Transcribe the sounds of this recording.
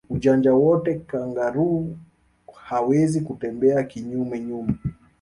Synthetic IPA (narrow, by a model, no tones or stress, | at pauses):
uʄand͡ʒawɔtɛkaŋɡaɾu | hawɛzikutɛmbɛakiɲumɛɲumɛ